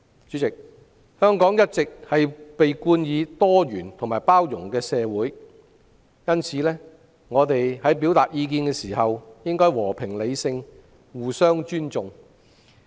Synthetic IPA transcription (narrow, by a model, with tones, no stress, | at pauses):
t͡ʃy˨˥t͡sɪ˨k̚ | hœː˥ŋkɔː˨˥ŋjɐ˥t̚t͡sɪ˨k̚hɐ˨jpe˨jkuː˧njiː˨˧t̪ɔː˥jyː˨˩nt̪ʰʊ˨˩ŋmaː˨˩jpaː˥wjʊ˨˩ŋkɛː˧sɛː˨˧wuː˨˥j | jɐ˥nt͡sʰiː˨˧lɛː˥ | ŋɔː˨˧t̪e˨jhɐ˨˥jpiː˨˥wt̪aː˨t̚jiː˧k̬iː˧nkɛː˧siː˨˩hɐ˨wjɪ˥ŋkɔː˥jwɔː˨˩pʰɪ˨˩ŋle˨˧jsɪ˧ŋ | wuː˨˩sœː˥ŋt͡ʃyː˥nt͡sʊ˨ŋ